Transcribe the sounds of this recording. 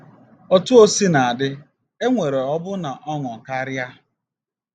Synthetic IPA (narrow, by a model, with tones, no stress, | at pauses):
ɔ˦tʊ˦o˦si˦na˨a˨dɪ˦ | e˦ŋʷe˨ɾe˨ɔ˦bʊ˦na˨ʔɔ˦ŋɔ˨ka˦ɾja˦